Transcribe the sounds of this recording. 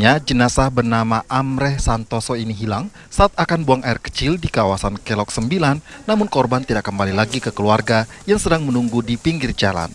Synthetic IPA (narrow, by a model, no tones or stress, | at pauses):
ɲad͡ʒənasahbərnamaʔamɾɛhsant̪ɔsɔiniɦilaŋ | saːt̪̚akanbuaŋaɪrkə̥t͡ʃɪldikawasankɛlɔk̚səmbilanːamʊnkɔrbant̪idakːəmbalilaɡikəkəluarɡa | jaŋsədaŋmənuŋɡudipiŋɡird͡ʒala̰n